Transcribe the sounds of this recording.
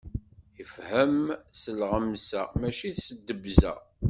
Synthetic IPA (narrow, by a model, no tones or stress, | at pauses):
jəfhəmsəlʁəmsæ̰mæʃiθsəd̪ːəbzæ̰